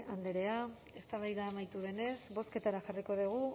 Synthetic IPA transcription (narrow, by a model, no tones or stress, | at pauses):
and̪eɾe̞a | e̞st̪aβajðaːmajt̪uðe̞ne̞sβo̞ske̞t̪aɾaxariko̞ðeɣ̞u